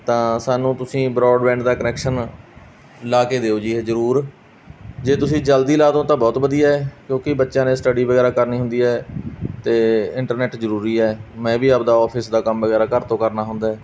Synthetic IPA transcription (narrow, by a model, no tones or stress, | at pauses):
t̪ãːsaːnũːt̪ʊsĩːbɾɔːɖbɛ̃ːɳɖd̪aːkənɛːkʃən | laːkeːd̪eːoːd͡ʒiːɦezəɾuːɾ | d͡ʒeːt̪ʊsĩːd͡ʒəld̪iːlaːd̪õːt̪ãːbɔːt̪bəd̪ijaːkjõːkɪbətːʃãːneːsʈəɖiːʋəɡɛːɾaːkəɾniːɦʊ̃nd̪iːɦɛːt̪eːɪɳʈəɾnɛːʈzəɾuːɾiːɛːmɛ̃ːʋiːəp̚d̪aːɔːpʰɪsd̪aːkəmʋəɡɛːɾaːkəɾt̪õːkəɾnaːɦʊ̃nd̪aːɛː